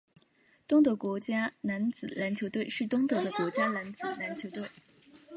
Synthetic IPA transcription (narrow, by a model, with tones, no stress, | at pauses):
t̪ʊ˥ŋt̪ɤ˧˥kwɔ˧˥t͡ɕja˥na˧˥nt͡sɹ̩˨˩˦la˧˥nt͡ɕʰjt̪we˥˩ɪʂɻ̩˥˩t̪ʊ˥ŋt̪ɤ˧˥d̪ə˧kwɔ˧˥t͡ɕja˥la˧˥nt͡sɹ̩˨˩na˧˥nt͡ɕʰjo˧˥ʊt̪we˥˩ɪ